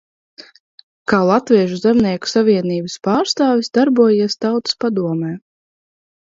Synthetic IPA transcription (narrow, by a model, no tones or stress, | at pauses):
kaːlˠat̪vʲiɛʒuzɛmniɛku̥savʲiɛniːbɨspaːɾst̪aːvʲisd̪aɾbuɔjist̪awt̪ɨ̥spad̪uɔmɛː